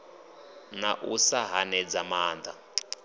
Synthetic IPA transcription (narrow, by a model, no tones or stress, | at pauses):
naʔusaɦanɛd͡zamaːnd̪a